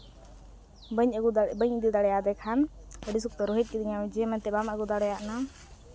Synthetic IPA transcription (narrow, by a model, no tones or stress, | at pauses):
bəɲɡubəɲd̪id̪aɽɛjad̪ɛkʰanəɖis̬uk̚t̪ɔɾɔɦit̪̚kid̪iɲad͡ʒɛmɛnt̪ɛbamʔəɡud̪aɽɛjaʔna